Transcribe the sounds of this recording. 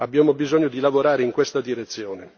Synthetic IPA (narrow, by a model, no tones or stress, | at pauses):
abːjaːmobizɔɲːod̪ilavoɾaːɾeiŋkwest̪ad̪iɾet̪sːjɔːne